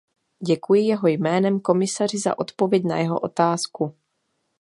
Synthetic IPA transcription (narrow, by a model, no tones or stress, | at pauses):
ɟɛkujɪjɛɦo̞jmɛːnɛmko̞mɪsar̝ɪza̰ʔo̞t̪po̞vjɛɟna̰jɛɦo̰ʔot̪aːsku